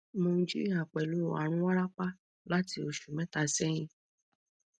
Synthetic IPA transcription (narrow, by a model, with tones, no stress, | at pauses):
mã˧˦d͡ʒi˦a˨k͡pɛ˨lu˨˦˨a̰˨˦ɾ̃ũ˦a˦ɾa˦k͡pa˦ | la˦ti˧o˧˨ʃu˨mɛ̃˦ta˧sɛ˦j̃ĩ˧